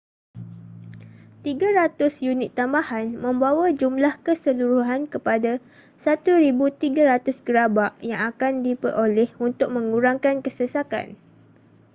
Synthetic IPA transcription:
t̪iɡaɾat̪ʊsjunɪt̪ːambahanmə̃mbawad͡ʒumlahkəsəluɾuɦankəpada | sat̪uɾibut̪iɡaɾat̪ʊsɡəɾabaʔjaŋakandipərʔolɛhunt̪ʊk̚mə̃ŋuɾaŋkankəsəsaka̰n

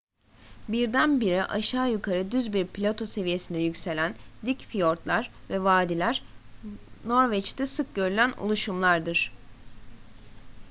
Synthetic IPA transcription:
biɾd̪ænbiɾiʔaʃaːjukʰaɾɯd̪yzbiɾpʰlʲat̪ʰo̞se̞vije̞sind̪ɛjycse̞lʲænd̪icfijo̞ɾt̪lˠaɾ | vɛvaːd̪ilʲæɾ̥ | no̞ɾvɛt͡ʃt̪ʰɛsɯk̚ɟø̞ɾylʲænṵlˠuʃumlˠaɾd̪ɯɾ̥

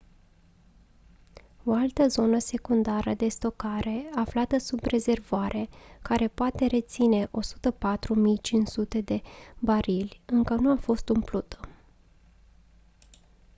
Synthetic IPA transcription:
o̞alt̪əzo̞nəse̞kund̪aɾəd̪e̞st̪o̞kaɾe̞aflat̪əsubre̞ze̞rvoaɾʔe̞kaɾe̞poat̪e̞ɾe̞t̪sine̞ʔo̞su̥t̪əpat̪ɾumijt͡ʃint͡ʃsut̪e̞d̪e̞baɾilʲɨŋkənuafo̞st̪umplut̪ʰə

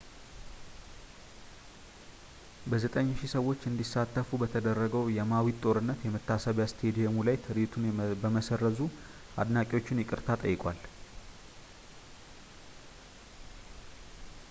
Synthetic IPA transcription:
bəzət̪ʼəɲːʃisəwːo̞t͡ʃːɨnd̪isat̪ːəfubət̪ʰəd̪ərːəɡəwjɛmawit̪ʼːo̞ɾɨnːət̪jɛmət̪ʰːasəβjast̪ʰed̪ijɛmulajt̪ʰɨɾit̪ʰunbəməsərːəzu | a̰d̪nakʼɪo̞t͡ʃːɪnjɪkʼɨɾt̪ʰat̪ʼə̰jːɪkʼwal

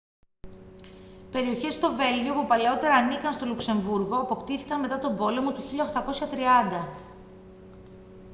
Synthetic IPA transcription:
pe̞ɾio̞çe̞st̪o̞ve̞lʝio̞pupɐleo̞t̪e̞ɾɐːnikɐnst̪o̞lukse̞ɱvuɾɣo̞ɐpo̞kt̪iθikɐnme̞t̪ɐt̪o̞bo̞le̞mo̞t̪uçiʎɐoxt̪ɐko̞sçɐt̪ɾiɐnd̪ɐ

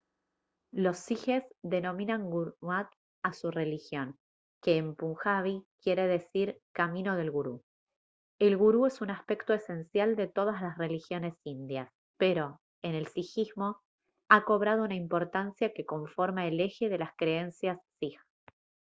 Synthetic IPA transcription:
lo̞sːixezðe̞no̞mĩnaŋɡuwat̪̚ | asure̞lixjo̞n | keːmpuŋxaβikje̞ɾe̞ðe̞siɾkamĩno̞ð̞e̞lɣuɾu | elɣuɾuesunaspe̞kt̪o̞ese̞nsjald̪e̞t̪o̞ð̞aslasre̞lixjo̞ne̞sind̪jas | pe̞ɾo̞ | ene̞lsixizmo | ako̞βɾað̞ounaimpo̞ɾt̪ansjake̞ko̞ɱfo̞ɾmaele̞xe̞ðe̞laskɾe̞ensjasːix

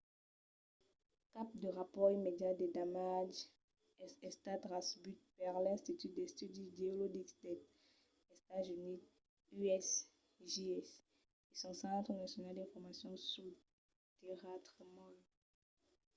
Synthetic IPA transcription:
kap̚d̪əʁapɔʁimed̪jad̪ed̪amaʒ | ɛɛst̪at̪ʁasbyt̪̚paʁlɛ̃st̪it̪yd̪ɛst̪yd̪ideolodikd̪ɛ | est̪azyni | yɛs | ʒeɛs | esɔ̃sɑ̃t̪χənasjɔnald̪ɛ̃fɔʁmasjɔ̃sy | t̪eʁat̪χəmã

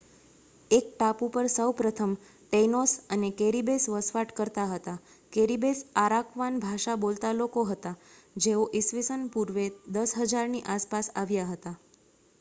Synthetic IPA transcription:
ek̚ʈapũpəɾsəwpɾət̪ʰəm | ʈenosənekeɾibesʋəsʋaʈkəɾt̪aɦət̪a | keɾibesaɾakʋanbʱaʃabolt̪alokoɦət̪a | d͡ʒeoʔisʋisənpuɾʋed̪əsɦəd͡ʒaɾniʔaspasaʋjaɦət̪a

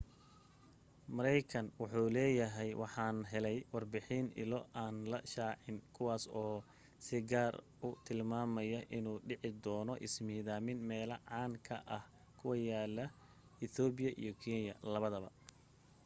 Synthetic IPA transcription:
mɐɾɛjkʰɐnwɑħuːlɛːjɐɦɛjwɑħɑːnɦɛlɛjwɑrbɪħɪnʔɪ̰lɔʔaːnlɐʃaːʕɪnkʰʊwaːsɔː | sɪɡaːr | ʊt̪ʰɪlmaːmɐjɐʔɪnuːɖɪʕɪd̪ɔːnɔʔɪsmiːðaːmɪnmɛːlɐʕɑːŋkʰɐ̰ʔɐh | kʰʊwɐjaːlːɐ | ɪθɔːbɪjɐʔḭjɔkʰinjɐ̰lɐβɐðɐβɐ̰

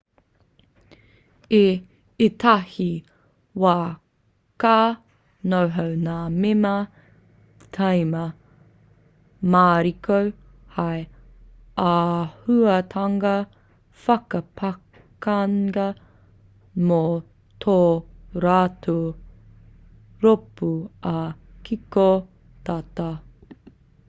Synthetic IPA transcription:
e | etʰahi | waː | kaː | nowɦɐwnaːmemɐ | tʰɐjmɐ | maːɾikow | hɐj | ahuɐtʰɐŋɐ | fɐkɐpʰɐ | kɐŋɡɐ | mo | tʰoːɾatʰo | ɾopuɐkiko | tata

